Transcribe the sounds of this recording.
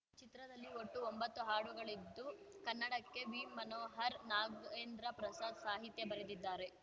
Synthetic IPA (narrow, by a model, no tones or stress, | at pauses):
t͡ʃit̪ɾɐd̪ɐlːioʈːuombɐt̪ːuɦaːɽuɡɐɭid̪ːukɐnːɐɽɐkːe̞ʋiːmːɐnoːɦɐɾnaːɡeːnd̪ɾɐpɾɐsaːd̪saːɦit̪jɐbɐɾed̪id̪ːaːɾe̞